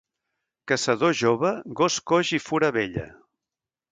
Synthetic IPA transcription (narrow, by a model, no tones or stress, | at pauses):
kəsəðoʒoβəɣoskoʒifuɾəβeʎə̰